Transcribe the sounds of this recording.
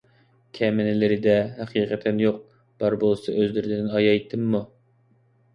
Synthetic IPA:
kʲʰɛmɪnɪlɪɾɪd̪ɛɦæqʰiːqʰɛt̪ʰɛnjoq̚ | b̥ɑɾbolˠɨsɑʔøzlɪɾɪd̪ɪnɑjɑjt̪ʰːɨmːu

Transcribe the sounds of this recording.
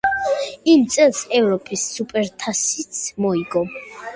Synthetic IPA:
imt̪sʼɛlˠsɛvɾɔpʼisːupʼɛɾt̪ʰasit̪sʰmɔiɡɔ

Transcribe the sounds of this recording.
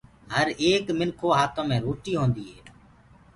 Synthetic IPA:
ɦəɾeːkmɪlkʰoːɦaːt̪ʰõːmẽːɾoːʈiːɦõːnd̪iːɦeː

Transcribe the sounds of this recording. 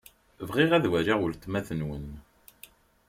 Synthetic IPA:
vʁiʁæðwæɾaʁəlt̪mæθənwən

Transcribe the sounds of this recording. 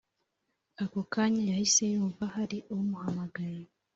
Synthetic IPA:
akokaːɲajahise̞juːɱvahaɾiʔowumuhamaɡaje

